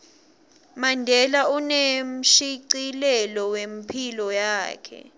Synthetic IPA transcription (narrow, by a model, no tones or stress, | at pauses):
mandʱɛlaunem̩ʃiǀilɛlɔwem̩pʰilɔjaːkʰɛ̰